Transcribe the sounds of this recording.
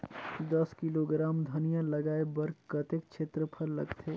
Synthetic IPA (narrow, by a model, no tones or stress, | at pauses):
d̪ɐskɪloɡɾaːmd̪ʱɐnijalɐɡaːebɐɾkɐt̪ek̚t͡ʃʰeːt̪ɾəpʰɐɾlɐ̰ɡt̪ʰeː